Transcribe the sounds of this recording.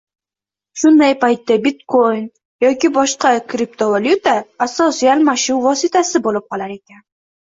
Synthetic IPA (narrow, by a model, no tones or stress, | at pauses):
ʃʊnd̪ajpajt̪ːabit̪ko̞jn | jɒkʲibɒʃqɑkɾip̚t̪ʰovalʲjut̪aːsːosialmaʃɪnvɒsit̪asɪbolˠɪp̚qʰɒlˠaɾe̞kʲan